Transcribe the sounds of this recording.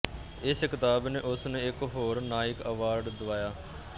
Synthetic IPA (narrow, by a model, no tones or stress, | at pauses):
ɪskɪt̪aːbneːʔʊsnẽːɪkɦoːɾnaːɪkəʋaːɾɖd̪ʊʋaːjaː